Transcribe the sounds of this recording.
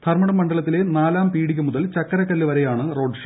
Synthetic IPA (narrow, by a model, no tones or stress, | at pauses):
t̪ʰɐrmɐɳɐmːɐɳɖɐɭɐt̪ːile̞naːlaːmpiːɽikʲːumuðɐlt͡ɕɐkːɐɾɐkːɐlːɨʋɐɾejaːɳɨro̞ːɖʂɐ